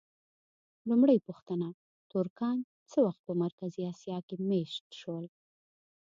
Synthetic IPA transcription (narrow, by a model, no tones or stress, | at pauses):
lumɽəjpuxt̪əna | t̪uɾkɑn | t͡səwaxt̪̚pəmaɾkaziɑsijɑkemeʃt̪ʃwəl